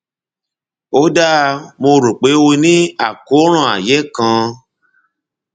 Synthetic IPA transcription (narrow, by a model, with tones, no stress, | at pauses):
o˦da˦˧mo˧ɾo˨k͡pe˨˦wo˧nĩ˦a˦˨ko˨˦ɾ̃ɔ̃˦˨a̰˨jɛ˨˦kã˧